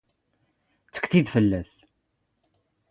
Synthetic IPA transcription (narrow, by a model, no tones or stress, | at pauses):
t͡sːə̥kθiðfəlːæs